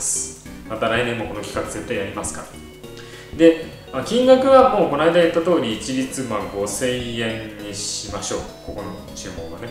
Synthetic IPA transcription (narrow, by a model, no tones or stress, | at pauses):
sɨ̥ | mat̪aɾainẽ̞mːo̞ko̞nokʲi̥kakɯ̟d͡ze̞t̪ːaiaɾʲimasɨ̥ka̰ɾa | d̪e̞ | makʲĩŋɡakɯ̟βamoːko̞naid̪ajat̪ːat̪o̞ːɾʲiːt͡ɕiɾʲit͡sɨmãŋɡo̞sẽ̞iẽ̞ɲɲiɕimaɕo̞̰ː | ko̞ko̞no̞ | t͡ɕɨːmo̞ːɡane̞